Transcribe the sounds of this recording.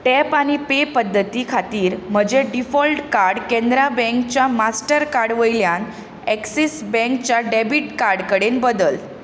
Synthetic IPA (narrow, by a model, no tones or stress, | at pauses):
ʈɛpaɽ̃ipepəd̪ʱːət̪ikʰat̪iːɾm̤əd͡ʑeɖifɔlʈkaɾɽkẽnd̪ɾabɛ̃ŋk̚t͡ɕjamasʈəɾkaɾɽʋəjljan | ɛksisbɛ̃ŋkt͡ɕjaɖebiʈkaɾɽkəɽenbəd̪əl